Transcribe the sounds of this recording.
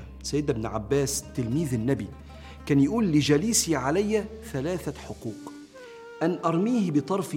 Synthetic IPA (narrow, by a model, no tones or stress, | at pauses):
sæjːɪd̪ɪbnʕabːæːst̪ɪlmiːðɪnːæbi | kæːnjaʔuːlːɪd͡ʒæliːsiʕalæjːæ | θælæːθaħʊquːq | ʔænʔɑɾˤmiːhbɪt̪ˤɑɾˤf